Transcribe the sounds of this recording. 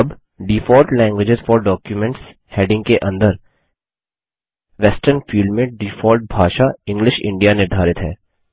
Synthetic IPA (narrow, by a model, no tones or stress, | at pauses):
ɐb | ɖifɔːlʈlɛ̃ːŋɡʋɪd͡ʒɪzfɔːɾɖɔːkjumɛ̃ɳʈs | heːɖɪ̃ŋɡ̚keʔɐ̃nd̪əɾ | ʋɛsʈəɾnfiːlɖmẽɖɪfɔːlʈ̚bʱaːʃaɪ̃ŋɡlɪʃɪ̰̃ɳɖijanɪɾd̪ʱaːɾɪt̪ɦɛ̰ː